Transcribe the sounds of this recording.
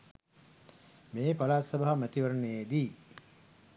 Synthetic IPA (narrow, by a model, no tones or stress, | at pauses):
meːpalaːsɐbaɦamæt̪iʋəɾəneed̪iː